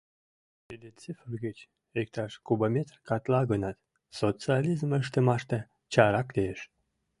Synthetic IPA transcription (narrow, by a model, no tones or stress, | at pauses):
t̪ed̪ent͡sefəɣət͡ɕ | ek̚t̪ɑʃkubamʲet̪rkɑt̪lɑɣənɑt̪ | sot͡sɨalʲizməʃ̬t̪əmɑʃt̪e | t͡ɕɑɾɑkt̪eeʃ